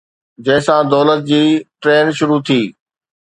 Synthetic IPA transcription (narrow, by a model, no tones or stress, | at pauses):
d͡ʑɐ̃ɦɪ̃sãd̪ɔːlət̪̚d͡ʑiːʈɾeːnʃʊɾut̪ʰiː